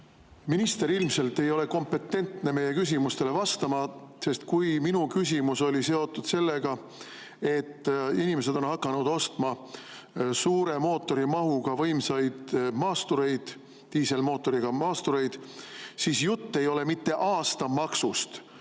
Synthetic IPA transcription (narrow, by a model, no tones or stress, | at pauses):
minist̪e̞ɾilmse̞lt̪ːe̞jo̞le̞ko̞mpe̞t̪ːe̞nt̪ne̞me̞jːe̞kys̬ʲimust̪e̞le̞vɑst̪ɑmɑse̞st̪kujminukys̬ʲimuso̞lʲise̞o̞t̪ːˑud̪̥se̞lːe̞ɡ̥ɑ | e̞t̪ːinime̞se̞d̪̥o̞nhɑkːˑɑnud̪̥o̞st̪mɑ | suːɾe̞mo̞ːt̪ːo̞ɾimɑɦuɡ̥ɑvɤjmsɑjd̪̥mɑːst̪uɾe̞jd̪̥ | t̪iːselmo̞ːt̪ːˑo̞ɾiɡ̥ɑmɑːst̪uɾe̞jd̪̥siːsjut̪ːe̞jo̞le̞mit̪ːe̞ʔɑːst̪ɑmɑksust̪